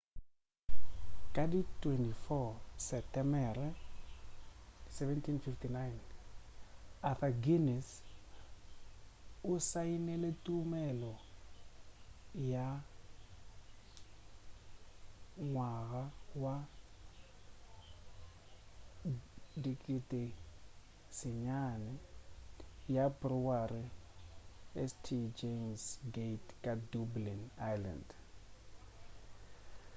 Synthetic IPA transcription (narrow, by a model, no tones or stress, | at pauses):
kaditwɛntifɔsɛtɛmɛɾɛ | sɛvɛntinfiftinajn | aθaɡinɛs | ʊsainɛletumɛlɔ | ja | ŋwaɣawa | dikʼitʼe | sɪɲanɛ | jabruwari | ɛstʰid͡ʒemsɡetkʼadublinajla̰nd